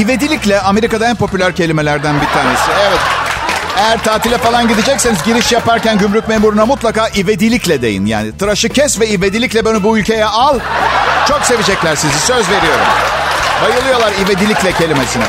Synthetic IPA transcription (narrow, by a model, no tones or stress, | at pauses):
ive̞d̪ilʲiclʲɛʔame̞ɾikad̪aænpʰo̞pylʲæɾcʰe̞lʲimelʲæɾd̪ænbit̪ʰaːne̞siɛvɛt̪ejæɾt̪ʰaːt̪ʰilʲɛfalˠanɟid̪id͡ʒɛcse̞nizɟiɾiʃjapaɾcænɟymɾyc̚memuɾunamut̪lˠakaːʔive̞d̪ilʲiclʲɛd̪e̞̰jḭnja̰ːnit̪ʰɯɾaʃɯcʰɛsvɛive̞d̪ilʲiclʲɛbenibuylʲcʰe̞jɛʔalˠt͡ʃʰo̞kse̞vid͡ʒɛclʲæɾsizisø̞zve̞ɾijo̞ɾṵm | bajɯlˠɯjo̞lˠaɾived̪ilʲiclʲɛcʰe̞lʲimesinɛ